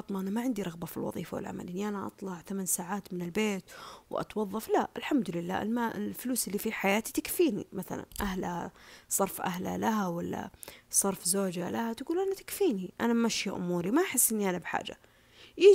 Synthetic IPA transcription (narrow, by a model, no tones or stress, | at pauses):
ɑt̪ˤmɑʔanamaʕɪnd̪iɾˤɑɣbafilwɑ̰ðˤḭːfawɪ̰lʕa̰ma̰lʔɪnːiʔanaʔɑ̰t̪ˤlɑʕθamansaːʕaːt̪mɪnɪlbeːt̪wʔɑ̰t̪wɑðˤːɑflaʔɪlħamd̪ʊlɪlːa̰ːʔɪlmaɪlfʊluːsɪlːifiħajaːt̪it̪akfiːnḭmaθa̰la̰nʔahlasˤɑɾˤfʔa̰ɦla̰laɦawalːa̰sˤɑɾˤfzoːd͡ʒalʔahat̪ɡuːlʔanat̪ḁkfiːniʔanamaʃjaʔʊ̰muːɾimaʔħɪsːʔɪnːiʔanabħa̰ːd͡ʒa̰ | jɪ